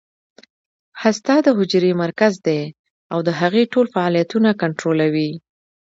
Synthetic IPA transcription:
hast̪ɑd̪əɦʊd͡ʒɾemaɾkazd̪e | awd̪əɦaɣeʈolfaɑlijat̪unakaɳʈɾolawi

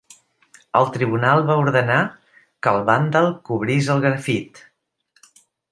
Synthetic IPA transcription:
ə̰lˠt̪ɾiβunalˠβauɾðəna | kəlˠβand̪əlˠkuβɾizəlˠɣɾəfit̪

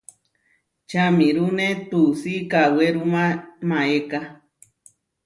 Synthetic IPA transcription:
t͡ʃamĩɾunẽt̪usikaweɾumãmãeka

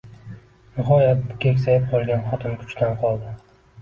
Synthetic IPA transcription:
nɪχɒjat̪̚bʊkʲekʲsajɪp̚qʰɒlˠɡʲanχɒt̪ʰɪmkʰʊ̥t͡ʃt̪ʰanqʰɒlˠd̪ɪ

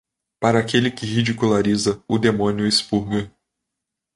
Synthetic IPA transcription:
paɾɐːkelɪkɪhid͡ʒikulaɾizɐʊd̪emõnjʊespuɾɡɐ

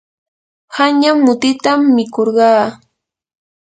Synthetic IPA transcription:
haɲjamːʊt̪ɪt̪amːɪkoɾɢɑː

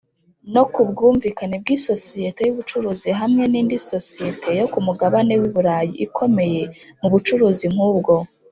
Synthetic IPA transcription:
no̞kubɡuːɱviːkaneb̚ɡiːso̞sije̞te̞juβut͡ʃuɾuːziɦamŋe̞niːndiso̞sijetʰe̞jo̞kumuɡaβane̞wiβuɾaːjḭʔikʰo̞me̞je̞muβut͡ʃuɾuːzim̥huːbɡo̞

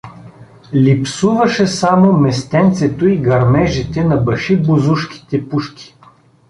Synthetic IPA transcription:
lʲipsuvɐʃɛsamomɛst̪ɛnt̪sɛt̪oiɡɐɾmɛʒit̪ɛnɐbɐʃibozuʃk̟ʲi̥t̪ɛpuʃkʲi̥

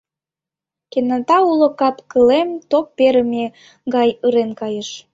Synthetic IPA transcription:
kenɑt̪ɑulŏkɑpkəlemt̪opːeɾəme | ɡɑjɯɾenkɑjəʃ

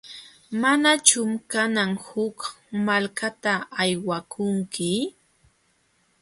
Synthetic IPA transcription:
manat͡ʃʊmkanaŋhʊk | malkat̪aːjwakʰʊŋkɪ

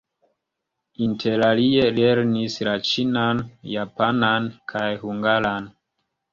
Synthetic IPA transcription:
intʰelalielɛɾnisɾat͡ʃinanjapanankʰajhuŋɡalan

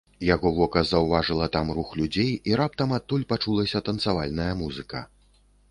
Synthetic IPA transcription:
jaɣɔvɔkɐzɐwvaʐɨlˠɐt̪amruxlʲud͡zʲejiɾap̚t̪ɐmat̪ːulʲpat͡ʂulˠɐsʲɐt̪ɐnt̪savalʲnɐjɐmuzɨkɐ̰

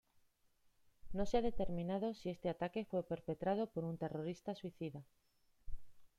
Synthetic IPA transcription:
nõseaðet̪eɾmĩnað̞osiest̪eat̪akefwepeɾpet̪ɾað̞opoɾunt̪eroɾist̪aswiθiða

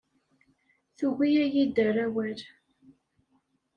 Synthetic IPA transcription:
θuɣijæjid̪əræwæɾ

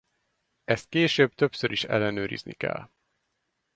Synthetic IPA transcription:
ɛst̪̚keːʃøːb̚t̪ø̞psøɾʔiʃɛ̰lːɛnøːɾḭznikɛ̰lː

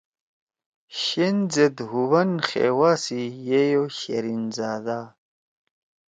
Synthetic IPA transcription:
ɕenzed̪ɦuβɐnxḛːwaːsijejoɕeɾinzaːd̪a

